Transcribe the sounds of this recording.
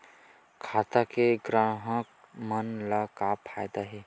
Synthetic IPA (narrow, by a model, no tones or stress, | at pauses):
kʰaːt̪akeɡɾãːɦək | mənləkapʰaːjd̪aɦɛː